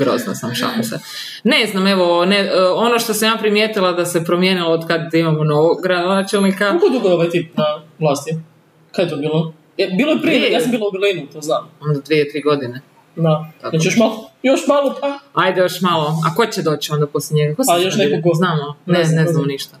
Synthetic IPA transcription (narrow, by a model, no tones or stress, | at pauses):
ɡɾo̰zna̰samʃa̰lose | neznameʋoneo̞noʃt̪osamjaːpɾimjet̪ilˠad̪asepɾomjenilˠood̪kad̪imamonoɡɾad̪onat͡ʃelˠnikalkod̪uɡooʋajt̪ipnavlˠaːst̪i | kaet̪obiːlˠo | ebiːlojepɾijaːssambiːlˠaubɛɾlinut̪oːznaːmond̪ad̪ʋiet̪ɾiːɡo̞d̪ine | d̪at̪akat͡ʃijoʃmalojoʃmalˠopʰaajd̪ejo̞ʃmaloa̰ko̞t͡ɕed̪oːt͡ɕio̞nd̪aposljeɲeɡakoalijoʃnekokoznaːmoneneznamoniʃt̪a